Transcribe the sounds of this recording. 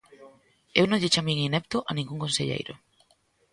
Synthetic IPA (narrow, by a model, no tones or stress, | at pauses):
ewnõŋʎet͡ʃamĩŋinɛp̚t̪ʊʔanĩŋɡuŋkonseʎḛjɾʊ̰